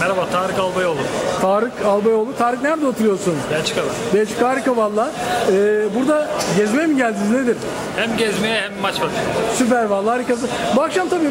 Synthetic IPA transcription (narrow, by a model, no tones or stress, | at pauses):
mɛɾabaːt̪ʰaːɾɯkalˠbajolˠut̪ʰaːɾɯkʰalˠbajo̞lˠut̪ʰaːɾɯknæɾd̪ɛot̪ʰuɾɯjo̞ɾsunbɛt͡ʃʰkalˠabɛt͡ʃʰɯ̥kaːɾɯkavalˠːaːɛːbuɾd̪aɟɛzmemiɟælʲd̪inizned̪iɾ̥ | hæmɟɛzmejɛhɛmːat͡ʃmat̪ʰɯsyp̬æɾvalˠːaːɾikas̬ɯbuakʃamt̪ʰabiː